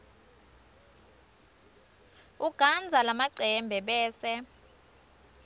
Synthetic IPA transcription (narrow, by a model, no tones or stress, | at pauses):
uɡ̥ʱand͡zʱalamaǀʱɛmbʱɛɓɛːsɛ